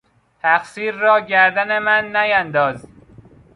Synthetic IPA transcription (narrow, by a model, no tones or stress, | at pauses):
t̪ʰæxsiːɾːɒːɟæɾd̪æne̞mænːæjænd̪ɒːz